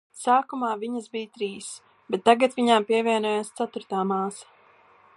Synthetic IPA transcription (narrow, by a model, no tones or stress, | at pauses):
saːkumaːviɲəsbijt̪ɾiːs | b̥ɛt̪ːaɡat̪viɲaːmpiɛvʲiɛnɔjaːst̪sat̪uɾt̪aːmaːsḁ